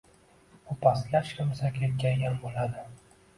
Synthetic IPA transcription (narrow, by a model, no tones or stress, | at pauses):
ʊpʰaslaʃkʲʰamsakʲʰet̪̚ɡʲajjambolad̪ɪ